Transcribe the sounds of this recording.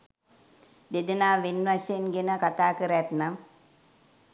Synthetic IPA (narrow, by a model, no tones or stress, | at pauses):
d̪ed̪ənaːʋinʋasejenɡenəkat̪aːkəɾəat̪nam